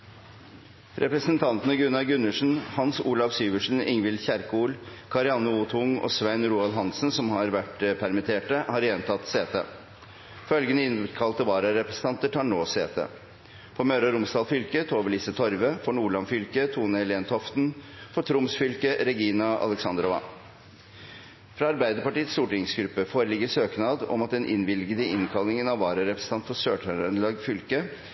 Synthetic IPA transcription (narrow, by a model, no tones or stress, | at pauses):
ɾʔɛpɾəsənt̪ʰɑnt̪ənəɡʉnɑʋɡʉnʉʂn̩hɑnsuːlɑfsyːʋəʂn̩ɪŋʋɪld̪çæɾkuːlkʰɑɾɪɑnʊuːt̪ʰʊŋɔ̰ːsʋæɪnɾuːɑlɦɑnsn̩sɔmhɑɾʋæʈpʰæɾmɪt̪ʰeːʈəhɑɾjɛnt̪ʰɑt̪seːt̪ʰə̰ | fœlɡənəɪnb̪kʰɑlt̪əʋɑːɾɑɾɛpɾəsən̩ɑnt̪əʈʰɑɳɳoːseːt̪ʰə̰ | fɔmœːɾɑɾʊmsd̪ɑːlfʏlkət̪ʰoːʋəɭiːsət̪ʰɔɾʋəfɔɳuːɭɑnfʏlkət̪ʰuːnəlɛːnt̪ʰɔft̪n̩ | fɔʈʰɾʊmsfʏlkəɾɛɡiːnɑʔɑ̰lɛksɑnd̪ɾɔʋɑ̰ | fɾɑːɑɾbæɪd̪əɾpɑʈiːət̪st̪uːʈɪŋsɡɾʉpːəfoːɾəlɪɡəʂøːknɑːd̪ɔ̰mɑt̪̚d̪ɛnʔɪ̰nʋɪlɡəd̪əɪnkʰɑlnɪŋənɑʋɑːɾəɾɛpɾəsəɑnt̪fɔʂøːʈʰœənlɑɡfʏlkə